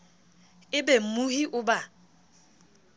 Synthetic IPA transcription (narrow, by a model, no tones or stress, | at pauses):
ɪbem̩muɦiʔʊba